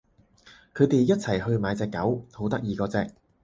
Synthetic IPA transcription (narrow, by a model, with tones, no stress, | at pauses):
kʰɵ˨˧ɥt̪e˨jjɐ˥t̚t͡sʰɐ˨˩jhɵ˧ɥmaː˨˧˥jt͡sɛː˨˧kːɐ˨˥who˨˥wt̪ɐ˥k̚jiː˨˧kɔː˧t͡sɛː˧k̚